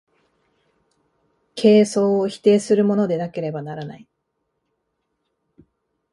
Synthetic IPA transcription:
kʰe̞ːso̞ːçi̥t̪e̞ːsɨɾɯ̟mo̞no̞d̪e̞nake̞ɾe̞banaɾanai

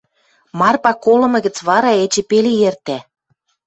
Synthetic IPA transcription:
mɑrpɑkolɤ̆mɤ̆ɣə̆t͡sβɑɾɑet͡ɕĕpelejert̪æ

